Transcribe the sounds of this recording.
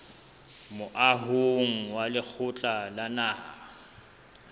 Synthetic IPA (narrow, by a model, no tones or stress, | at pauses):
mʊʔaɦoŋ̩walɪk͡xʰʊt͡ɬʼalanaːɦa̰